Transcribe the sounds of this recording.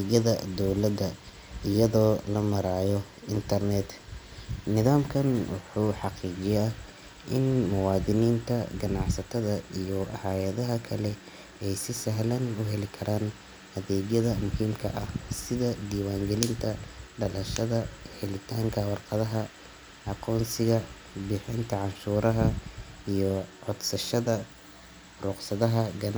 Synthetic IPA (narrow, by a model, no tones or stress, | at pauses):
ɡɐðɐd̪ɔwlɐd̪ɐ | ɪjɐðɔːlɐmɐɾaːjɔ | ɪnt̪ʰɐrnɛd̪ | nɪðaːmkʰɐnwʊ̰ħuːħɑqiːt͡ʃɪj | ʔɪ̰nmʊwɑːðɪniːnt̪ʰɐɡɐnɑʕsɐt̪ʰɐðɐijɔʔɐhaːjɐðɐɦɐkʰɐlɛ | ɛjsɪsɐɦlɐnʊɦɛlɪkʰɐɾaːn | hɐðɛːɡjɐðɐmʊhɪmkʰɐ̰ʔɐhsɪðɐd̪iːwaːŋɡɛlɪnt̪ʰɐɖɐlɐʃɐðɐħɪlɪt̪ʰaːŋkʰɐwɑrqɐðɐɦɐ | ʔɑqɔːnsɪɣɐ | bɪħɪnt̪ʰɐʕɑnʃuːɾɐɦɐijɔʕɔd̪sɐʃɐðɐ | rʊqsɐðɐɦɐɡɐn